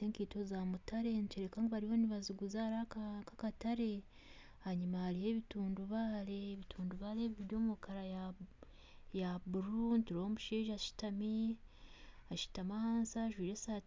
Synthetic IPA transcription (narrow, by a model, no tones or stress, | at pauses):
eːŋkiːtozamutaɾe̞nit͡ʃeɾekaːŋɡoβaɾiho̞niβaziɡuzaɾakkakataɾe̞ | aɲumaːɾihe̞βituːnduβaːɾe̞ːβitʰuːnduβaːleβiβiɾjoːmukaɾaja | jabuɾuntuɾihomuʃiːʒaʃi̥tami | aʃi̥tamahaːnsaʒwiːɾesa